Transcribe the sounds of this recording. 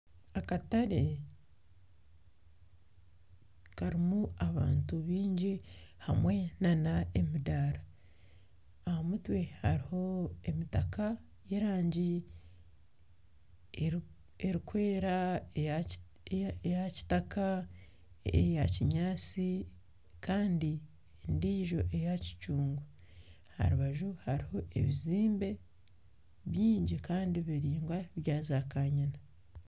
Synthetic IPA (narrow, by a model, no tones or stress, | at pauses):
akataɾe | kaɾimuaβa̰ːntuβiːɲɟihamwe̞nanaemidaːɾa | ahamutwe̞haɾiho̞emitaka | je̞ɾaːɲɟi | eɾikwe̞ːɾae | ejaci̥taka | ejaciɲaːt͡si | kaːndi | endiːʒo̞ʔe̞jaci̥t͡ʃuːŋɡu | ha̰ɾuβaʒuhaɾiho̞ʔe̞̰βiziːmbe̞ | βjiːɲɟikaːndiβiɾiːŋɡwaβjaːzakaɲana